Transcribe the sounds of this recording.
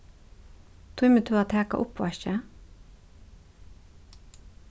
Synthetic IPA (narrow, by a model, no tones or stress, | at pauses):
t̪ʰʊʏmət̪ʰʉːɑːt̪ʰæːkɑ̰ʔʊpʋɑ̰ʃə